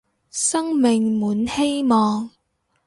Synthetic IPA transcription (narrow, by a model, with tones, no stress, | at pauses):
sɐ˥ŋmɪ˨ŋmuː˨˥nhe˥jmɔː˨ŋ